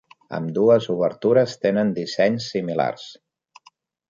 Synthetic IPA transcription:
ə̰md̪uəzuβəɾt̪uɾəst̪enənd̪isɛɲsːimila̰rs

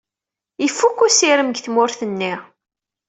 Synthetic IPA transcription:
ifːukːusiɾəmɡθmʊɾθənːi

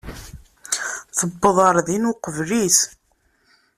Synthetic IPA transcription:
θəbːəðˤəɾˤðinuqəvlis

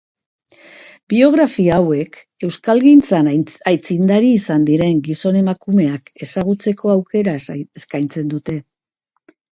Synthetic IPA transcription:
bio̞ɣ̞ɾafiaːwe̞k | e̞wskalɣint͡sanajt͡sind̪aɾiːsand̪iɾe̞ŋɡiso̞ne̞makume̞ake̞saɣ̞ut͡se̞ko̞awke̞ɾaeskajnt͡se̞nd̪ut̪e̞

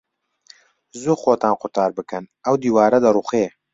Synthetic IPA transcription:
zuxoːt̪aːnqʊɾt̪ɑːɾbɨkɨnɐwd̪iːwaːɾɐd̪ɐɾuxeː

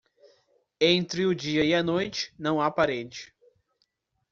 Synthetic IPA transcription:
ẽnt̪ɾɪʊd͡ʒiɐianojt͡ʃɪ̥nɐ̃w̃apaɾed͡ʒɪ̥

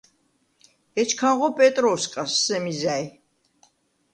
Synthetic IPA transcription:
ɛt͡ʃʰkʰaʁɔpʼɛt̪ʼɾɔskʼasːɛmizaj

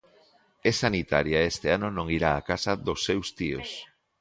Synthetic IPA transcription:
esanit̪aɾjaest̪eanonõŋiɾaːkasɐðosːewst̪io̰s

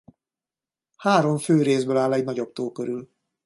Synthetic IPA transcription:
haːɾo̞ɱføːɾeːzbøːlaːlɛɟnɒɟobt̪oːkøɾyl

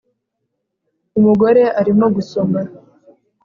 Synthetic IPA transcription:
umuɡo̞ɾe̞ʔaɾimo̞ɡusomɡa

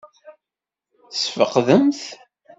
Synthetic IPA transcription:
θsfəqðəmθ

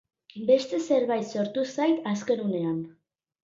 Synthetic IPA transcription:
be̞st̪e̞se̞ɾβajt̪so̞ɾt̪usajt̪aske̞nune̞an

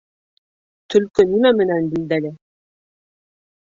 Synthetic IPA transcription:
t̪ʰɵ̆lkɵnimæmɘ̆nænbild̪ælɘ

